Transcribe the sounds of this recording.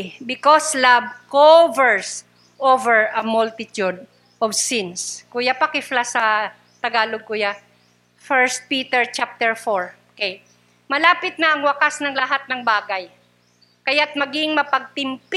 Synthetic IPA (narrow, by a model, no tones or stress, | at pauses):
bɪkoslab̚kovɛɹs | ʔovɛɹɐmʊlt̪ɪt̪jud̪̚ | ʔɔvsɪnskuːjapɐkɪflasɐ | t̪ɐɡaːloɡ̚kuːja | fɛɹst̪̚piːt̪ɛɹt͡ʃap̚t̪ɛɹfoɹokej | mɐlaːpɪt̪̚nɐʔɐŋwɐkasnɐŋlɐɦat̪̚nɐŋbaːɡɐj | kɐjat̪̚mɐɡɪŋmɐpɐɡ̚t̪ɪmp